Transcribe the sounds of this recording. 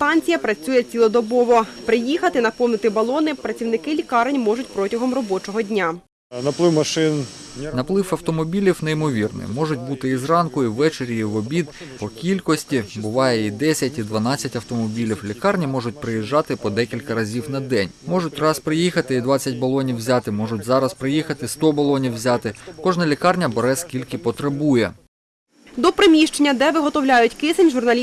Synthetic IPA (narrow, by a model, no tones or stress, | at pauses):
st̪ɑnʲt͡sʲijɐpɾɐt͡sʲujɛt͡sʲilˠɔd̪ɔbɔʋɔpɾɪjixɐt̪ɪnɐpɔwnɪt̪ɪbɐlˠɔnɪpɾɐt͡sʲiwnɪkɪlʲikɑrnʲmɔʒʊtʲpɾɔtʲɐɦɔmrɔbɔt͡ʃɔɦɔdʲnʲa | nɐplˠɪwmɐʃɪnʲ | nɐplˠɪfɐwt̪ɔmɔbʲilʲiwneimɔʋʲirnɪ̰mɔʐʊt̚ʲbut̪ɪizrɑnkʊiwʋːɛt͡ʃeɾʲjiʋɔbʲid̪pɔkʲilʲkɔsʲtʲibʊʋɑjɛid̪ɛsʲɐtʲid̪ʋɐnɑt͡sʲːɐtʲɐwt̪ɔmɔbʲilʲiwlʲikɑrnʲimɔʒʊt̚ʲpɾɪjiʒːɑt̪ɪpɔd̪ɛkʲilʲkɐɾɐzʲiwnɐd̪ɛnʲmɔʒʊt̚ʲrɑspɾɪjixɐt̪ɪid̪ʋɑt͡sʲːɐt̚ʲbɐlˠɔnʲiwzʲɑt̪ɪmɔʒʊtʲzɑɾɐspɾɪjixɐt̪ɪst̪ɔbɐlˠɔnʲiwwzʲɑt̪ɪkɔʒnɐlʲikɑrnʲɐbeɾɛskʲilʲkɪpɔt̪ɾɐbujɛ | d̪ɔpɾɪmʲiʃt͡ʃenʲːɐd̪ɛʋɪɦɔt̪ɔwlʲajʊtʲkɪsenʲʒʊrnɐlʲ